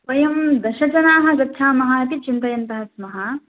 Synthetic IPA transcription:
pɐjɐmd̪ɐʃɐd͡ʒɐnaːɦɐ̆ɡɐtːʃʰaːmɐɦaːɐt̪it͡ʃint̪ɐjɐnt̪ɐɦɐsmɐɦa

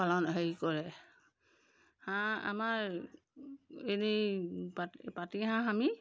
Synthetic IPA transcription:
palɔnaɦejkɔɹɛ | hãa̰maɹ | enepapatiɦãɦami

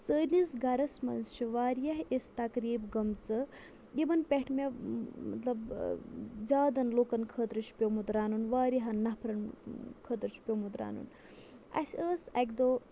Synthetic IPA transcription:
səːnisɡɐɾɐsmɐ̰nzt͡ʃʰiʋaːɾjɐɦest̪ɐkɾiːbɡɐmt͡sɨ | jibɐnpʲɛʈʰmʲemɐ̰t̪lɐb | zʲaːd̪ɐnloːkɐnkʰəːt̪ɾɨt͡ʃʰpʲomut̪ɾaːnunʋaːɾjɐɦɐnːɐhpʰɾɐnkʰəːt̪ɾt͡ʃʰi̥pʲomut̪ɾa̰ːnṵn | ɐ̰sʲəːsɐkd̪oː

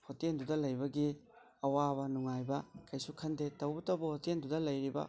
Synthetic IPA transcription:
hotendudɐlɐjbɐɡi | ɐwabɐnuŋajbɐkɐjsukʰɐndetɐwbɐtɐwbɐhotendudɐlɐjɾibɐ̰

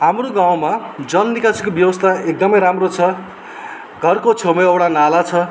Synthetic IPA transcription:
ɦamroɡãw̃mad͡zʌnnikasikobjʌwʌst̪ʰaek̚d̪ʌmʌjɾamrot͡sʰʌ | ɡʱʌrkot͡sʰomeʌwɽanalat͡sʰʌ

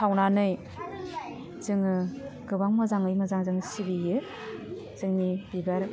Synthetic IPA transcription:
tʰawnanɯj | zɯŋɯɡɯbaŋmazaŋɯjmazaŋzɯŋsibijɯ | z̥ɯŋnibibaɾ

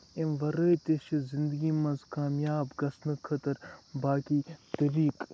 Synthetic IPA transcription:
emʋɐɾət̪eʃizɪnd̪əɡimɐnzkaːmjaːbɡɐsnɨkʰɐt̪ɐɾbaːkit̪ɐɾiːk

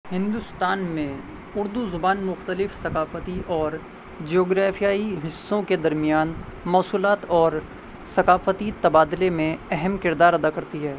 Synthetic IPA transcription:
hɪ̃nd̪ʊst̪aːnmẽ | ʊɾd̪uzʊbaːnmʊxt̪əlɪfsɐkaːfət̪iʔɔːɾ | d͡ʒioːɡɾaːfijaːiɦɪsːõked̪ɐɾmijaːnmɔːsuːlaːt̪ɔːɾ | sɐkaːfət̪it̪ɐbaːd̪lemẽɛɦɛmkɪɾd̪aːɾɐd̪akɐɾt̪iɦɛː

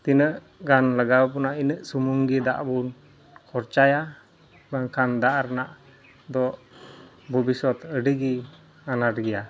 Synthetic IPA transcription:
t̪inəʔ | ɡanləɡap̬unaʔinəʔsumuŋɡid̪a̰ʔbun | kʰɔrt͡ʃaja | baŋkand̪aʔarnaʔ | d̪ɔʔ | bubisɔt̪əɖəɡi | anaɾɡia

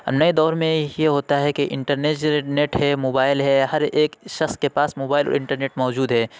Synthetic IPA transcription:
ɐ̰nɐed̪ɔːɾmẽjeɦoːt̪aɦɛkeʔɪ̃ɳʈəɾneːd͡ʒneːʈɦɛmoːbaːɪlɦɛhɐɾeːkʃɐxskepaːsmoːbaːɪlɔ̰ːɾɪ̃ɳʈəɾneːʈmɔːd͡ʒuːd̪ɦɛː

